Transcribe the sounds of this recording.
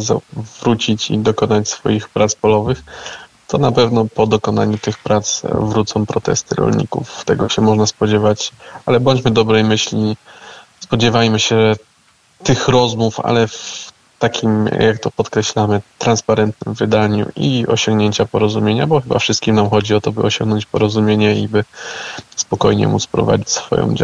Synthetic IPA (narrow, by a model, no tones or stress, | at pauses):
za̰vɾut͡ɕit͡ɕḭd̪ɔkɔnat͡ɕsfɔ̰jixpɾat̪spɔlɔvɘx | t̪ɔnapɛvnɔpɔd̪ɔkɔna̰ɲut̪ɘxpɾat̪svɾut̪sɔ̃w̃pɾɔt̪ɛ̰st̪ɘ̰ɾɔ̰lɲḭkṵft̪ɛɡɔɕɛmɔʐnaspɔd͡ʑevat͡ɕalɛbɔɲt͡ɕmɘd̪ɔbɾɛjmɘɕlʲi | spɔd͡ʑɛvajmɘɕɛʐɛ | t̪ɘxɾɔzmufa̰lɛf | t̪akʲʰimjakt̪ɔpɔt̪kɾɛɕlamɘt̪ɾanspaɾɛnt̪nɘmvɘd̪aɲṵʔḭɔɕɔ̃ŋɡɲeɲt͡ɕapɔɾɔzumʲjeɲa̰bɔxɘbafʂɘst̪̚kʲimnamxɔd͡ʑiɔt̪ɔbɘ̰ɔɕɔ̰̃ŋɡnɔɲt͡ɕpɔɾɔzumʲjeɲɛibɘ | spɔkɔjɲɛ̰mut̪spɾɔ̰va̰d͡ʑit͡ɕsfɔ̰jɔ̰̃w̃d͡ʑa